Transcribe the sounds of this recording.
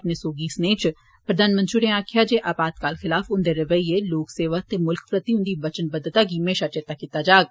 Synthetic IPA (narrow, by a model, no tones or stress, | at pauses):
pneːsoːɡiːsneːt͡ʃ | pɾəd̪ʱaːnmə̃nt̪ɾiːɾẽːaːkʰɪjaːd͡ʒeːʔaːbaːt̪̚kaːlxʰɪlaːfʰʊnd̪eːɾəʋəieːloːkseːʋət̪eːmʊlkpɾət̪iːʊ̃nd̪iːbət͡ʃənbəd̪ət̪aːɡiːmẽːʃəɾt͡ʃet̪ːaːkiːt̪aːd͡ʒaːɡ̚